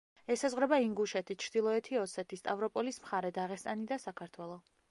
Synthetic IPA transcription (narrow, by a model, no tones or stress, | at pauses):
ɛsazʁɾɛbaiŋɡuʃɛt̪ʰit͡ʃʰɾd̪ilˠɔɛt̪ʰiɔsɛt̪ʰist̪ʼavɾɔpʼɔlismχaɾɛd̪aʁɛst̪ʼanid̪asakʰaɾt̪ʰwɛlˠɔ